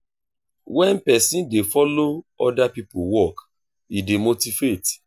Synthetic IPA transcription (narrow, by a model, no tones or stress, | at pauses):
wɛ̃npɛsĩndefɔloɔdapipowɔk | idemotivet